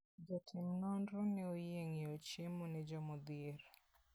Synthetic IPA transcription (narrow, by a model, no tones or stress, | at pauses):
d͡ʒɔtʰɪmnɔndɾɔnɛojeŋeot͡ʃemonɛd͡ʒɔmɔd̪ɪɾ